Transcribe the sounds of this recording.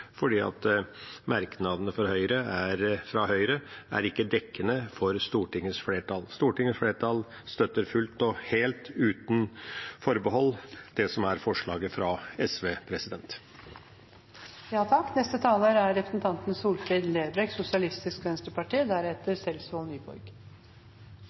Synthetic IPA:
fɔɖiːɑ̰t̪mæɾknɑd̪ənəfɔɾhœʏɾəæɾfɾɑhœʏɾəʔæ̰ɾɪkːəd̪ɛkːənəfɔɾst̪uːʈɪŋːəsfɽeːʈʰɑlst̪uːʈɪŋəsfɽeːʈɑl | st̪œt̪ːəɾfʉlt̪ɔheːlt̪ʉːt̪nfɔɾbəɦɔlːd̪̥ɛsɔmæɾfɔʂɭɑːɡəfɾɑɛsʋeːpʰɾɛsɪd̪ɛnt̪ | jɑːt̪ʰɑkːnɛst̪ət̪ʰɑːləɾæɾɾɛpɾəsn̩t̪ʰɑnt̪n̩suːlfɾiːd̪leːbɾɛɡsʊsɪɑlɪst̪ɪskʋɛnst̪əpɑʈiːd̪æɾɛt̪əɾsɛlsʋoːlnyːbɔ̰ɾɡ

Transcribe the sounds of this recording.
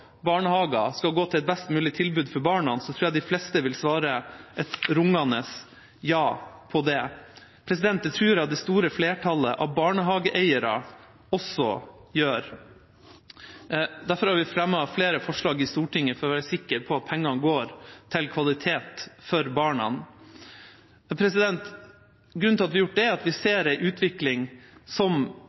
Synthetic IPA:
bɑːɳəhɑːɡɑskɑlɡoːt̪ʰɪlɛt̪̚bɛst̪mʉːlɪt̪ʰɪlbʉːd̪fɔɾbɑːɳɑnsɔt̪ʰɾuːjæd̪ɪflɛst̪əʋɪlsʋɑːɾəʔɛt̪ɾʊŋːɑnəs | jɑːpʰɔd̪ɛ | pʰɾɛsɪd̪ɛnt̪̚d̪ət̪ʰɾʉːɾɑt̪̚d̪ɛst̪uːɾəfleːʈʰɑləʔɑʋbɑːɳəɦɑːɡəʔɛɪəɾɑ̰ | ɔsɔ̰jøːɾ | d̪æɾfɔɾhɑːɾʋɪfɾɛmːəɑfleːɾəfɔʂɭɑːɡɪst̪uːʈɪŋːəfɔɾɔʋæːɾəsɪkːəɾpʰɔɑt̪̚pʰɛŋːɑnɡoːɾt̪ʰɪlkʰʋɑlɪt̪ʰeːt̪fɔɾbɑːɳɑ̰n | pʰɾɛsɪd̪ɛnt̪ | ɡɾʉnɪlɑt̪ʋɪjʊʈ̚ɖ̪ɛæɑt̪ʋɪseːɾæɪʔʉːt̪ʰʋɪklɪŋsɔm

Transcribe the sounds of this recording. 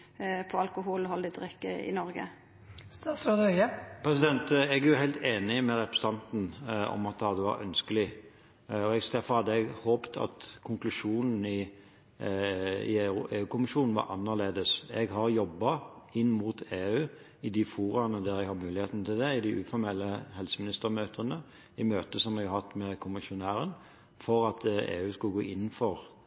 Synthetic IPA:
pʰɔɑlkʊɦuːlɔɦɔld̪ɪd̪ɾɛkːəɪ̰nɔɾɡə̰ | st̪ɑsod̪œɪəpʰɾɛs̬ɪd̪ɛnt̪ɛɡæʁjʊɦæɪlt̪eːnɪmɛɾɛpɾəst̪ʰɑnt̪n̩ɔ̰mɑt̪̚d̪ɑd̪ɛʋɑ̰ɾœ̰nskəlɪ | ɔɛɡd̪æɾfɔɾhɑd̪ːəɛɡhoːpt̪ʰɑ̰t̪kʰʊŋklʉʂuːnn̩ɪ | ɪ̰eːʉːkʰʊmɪʃuːnn̩ʋɑ̰ɾʔɑnːəʁleːd̪əsɛɡɦɑɾjɔbːɑ | ɪnːmuːt̪ʰeːʉː | ɪd̪ɪfuːɾɑnəd̪æɾɛɡhɑmʉːlɪheːt̪nət̪ʰɪld̪ɛɪd̪ɪʔʉːfɔɾmɛlːəhɛlsəmɪnɪst̪əɾmøːt̪ʰənə | ɪmøːt̪əsɔmɛɡhɑt̪ːmɛkʰʊmɪʃʊnæːɾən | fɔɾɑt̪ḛːʉːskɑlɡoːʔɪn̩ːfɔɾ

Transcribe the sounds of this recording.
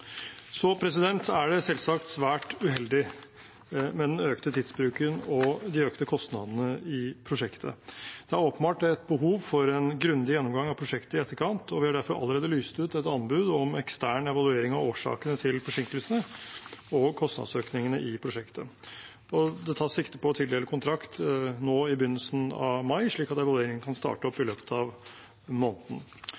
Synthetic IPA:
sɔpʰɾɛs̬ɪd̪ɛnt̪ʰæɖɛsɛlsɑkt̪sʋæːʈʉɦɛld̪ɪ | mɛd̪ɛnøːkt̪ət̪ʰiːd̪sbɾʉːkənɔd̪ɪøːkt̪əkʰɔst̪nɑ̰d̪ənəɪpʰɾʊʂɛkt̪ʰə̰d̪̥ɛæɾoːpənbɑːʈɛt̪̚bəɦuːʋfɔɾɛnɡɾʉnd̪ɪjɛnːɔmɡɑŋɑʋpʰɾʊʂɛkt̪əɪɛt̪ːəɾkʰɑnt̪ʰɔʋɪhɑɖæɾfɔɾʔɑ̰ləɾeːd̪əlyːst̪ʉːt̪ɛt̪ɑnbʉːd̪ɔmɛkst̪æːɳɛʋɑlʉeːɾɪŋɑoːʂɑ̰ːkənət̪ʰɪlfɔʂɪŋkəlsənə | ɔkʰɔst̪ɑ̰d̪søːknɪŋənə̰ʔɪpʰɾʊʂɛkt̪ə | ɔd̪ɛt̪ʰɑːʂɪkt̪əpʰɔt̪ʰɪd̪ɛləkʰʊnt̪ʰɾɑkt̪noːɪbʏnːəlsn̩ɑ̰ʋmɑɪʂɭiːkɑt̪ɛʋɑlʉeːɾɪŋənkʰɑnst̪ɑ̰ːʈəɔpːɪløːpə̥t̪ʰɑʋ | moːnəd̪n̩

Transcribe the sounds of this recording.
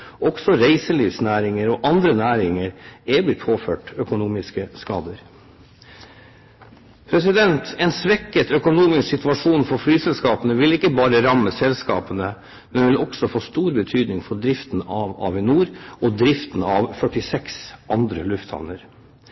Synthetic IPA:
ʔɔɡsɔɾæɪsəliːʋsnæːɾɪŋəɾɔʔɑnd̪ɾənæːɾɪŋəɾɛblɪt̪pʰoːføːʈœkʊnuːmɪskəskɑːd̪əɾ | pʰɾɛsɪd̪ɛnt̪ɛnsʋɛkːət̪ʰœkʊnuːmɪsksɪt̪ʉɑʂuːnfɔɾflyːsɛlskɑːpənəʋɪlɪkːəbɑːɾəɾɑmːəsɛlskɑ̰ːpənə | mɛnʋɪlɔɡsɔfoːst̪uːɾbət̪ʰyːd̪nɪŋfɔɖɾɪft̪n̩ɑʋɑ̰ːʋɛnuːɾɔd̪ɾɪft̪n̩ɑʋfœʈːɪsɛksɑnd̪ɾəlʉft̪ʰhɑ̰nəɾ

